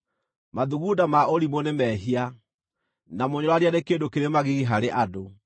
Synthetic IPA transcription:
maðuɣudamaoɾimonemɛɦia | namoɲɔɾwaɾianekeːndokeɾemaɣiɣiɦaɾeʔado

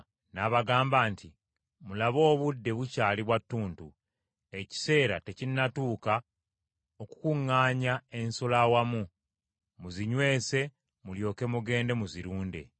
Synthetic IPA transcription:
naβaɡaːmbaːntʰi | mulaβo̞ːβudːe̞βucaːliβwatːuːntu | e̞ci̥se̞ːɾa̰te̞cinnːatuːka | oku̥kuŋːaːɲae̞nsolawamu | muziɲwe̞ːse̞ | muljo̞ːke̞muɡe̞ːnde̞muziɾuːnde̞̰

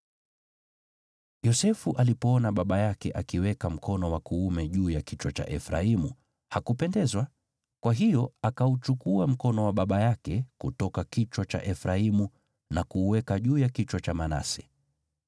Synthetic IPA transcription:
jɔsɛfuʔalipɔɔnaɓaɓajakɛʔakiwɛkam̩kʰɔnɔwakuːmɛʄuːjakit͡ʃwat͡ʃa̰ʔɛfɾa̰imu | hakupɛndɛzwa | kwaɦijɔakaut͡ʃukuam̩kɔnɔwaɓaɓajakɛkutɔkakit͡ʃwat͡ʃa̰ʔɛfɾaimu | nakuːwɛkaʄuːjakit͡ʃwat͡ʃamana̰sɛ̥

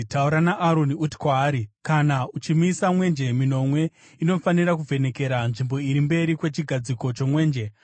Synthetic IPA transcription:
tauɾanaʔaɾoniuti̥kwaːɾikanaut͡ʃimisamwe̞nd͡ʒe̞mino̞mwe̞ | ino̞faniɾak̬uvʱe̞ne̞ke̞ɾanʐimbo̞iɾimbe̞ɾikwe̞t͡ʃiɡʱad͡ziko̞t͡ʃo̞mwe̞ːnd͡ʒe̞

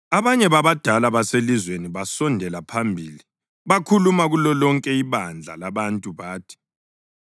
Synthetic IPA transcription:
aβaɲɛβaβad̥ʱalaβaselizweniβasɔndʱɛlapʰambʱiːli | βakʰulumaɣulɔlɔŋkʼɛiβand͡ɮʱa̰laβantʼuβaːtʰi̥

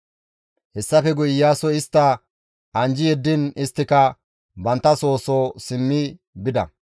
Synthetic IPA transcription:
hɛsːɐfɛɡʊjɪjaːsɔɪst̪ːɐ | ʔɐnd͡ʒɪjɛd̪ːɪnɪst̪ːɪkɐ | bɐnt̪ːɐso̞ːsosɪmːɪ | bɪd̪ɐ̰

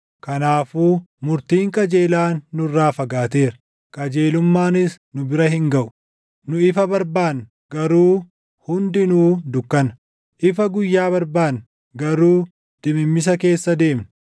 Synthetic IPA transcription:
kɐnaːfuːmʊɾt̪iːŋkʼɐd͡ʒe̞ːlaːnːʊrːaːfɐɡaːt̪e̞ːɾɐ | kʼɐd͡ʒeːlʊmːaːnɪs | nʊbɪɾɐhɪŋɡɐʔʊ̥ | nʊɪfɐbɐɾbaːn | ɡɐɾuː | hʊnd̪ɪnuːd̪ʊkːɐnɐ̥ | ʔɪfɐɡʊjːaːbɐɾbaːn | ɡɐɾuː | d̪̥ɪmɪmːɪs̬ɐke̞ːsːɐd̪e̞ːmnɐ

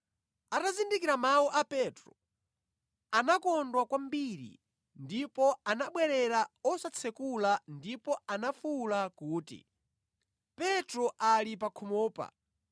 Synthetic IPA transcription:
atazindikiɾamawɔʔapɛtɾɔ | anakɔndwakwambiɾḭ | ndipɔanaɓwɛɾɛɾaɔsat͡sʰɛkulandipɔanafulakuːtḭ | pɛtɾɔʔalip̬akʰumɔːpa̰

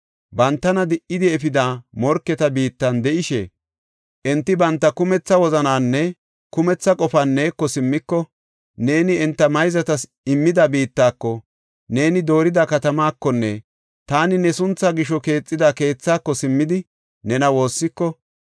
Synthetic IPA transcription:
bɐnt̪ːɐnɐd̪ɪʔɪd̪ɪɛfɪd̪aːmɔɾkːɛt̪ɐbiːt̪ːɐnd̪ɛʔɪʃɛ̰ | ʔɛnt̪ːɪbɐnt̪ːɐkʊmɛt͡sːɐwɔzɐnaːnːɛ | kʊmɛt͡sːɐkʼɔfɐnːeːkːɔsɪmːɪkːɔ | ne̞ːnɪɛnt̪ːɐmɐjzɐt̪ɐs | ɪmːɪd̪ɐbiːt̪ːaːkːɔ | ne̞ːnɪd̪o̞ːɾɪd̪ɐkɐt̪ɐmaːkːɔnːɛ | t̪aːnɪnɛsʊnt͡sːɐɡɪʃ̬ɔke̞ːt͡sʼːɪd̪ɐke̞ːt͡sːaːkːɔsɪmːɪd̪ɪ | nɛnɐwo̞ːsːɪkːɔ

